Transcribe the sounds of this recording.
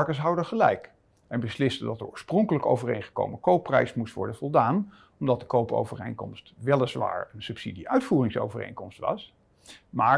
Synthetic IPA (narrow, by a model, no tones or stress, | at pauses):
ɹkəsɦɑwdəχəlɛ̰jk | ɛnbəslɪstədɑtəɔ̰ːɹsprɔŋkələko̰wvərejnχə̥ko̰wməkowpːrɛ̰jsmustʋɔ̰ɹdənvɔlˠdaːn | ɔmdɑt̚dəkowpo̰wvərḛjŋkɔ̰mstʋɛlˠəsʋa̰ːɹənsɵpsḭdiʔœɥtfuːrɪŋso̰wvərḛjŋkɔmstʋɑ̰s | maː